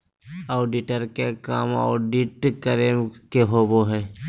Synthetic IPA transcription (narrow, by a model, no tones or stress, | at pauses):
aːɖiʈəɾkekaːmɔ̰ːɖiʈkəɾekeɦoːboɦɛː